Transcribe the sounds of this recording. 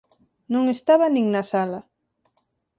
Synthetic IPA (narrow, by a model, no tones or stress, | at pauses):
nõŋest̪aβanĩŋnasala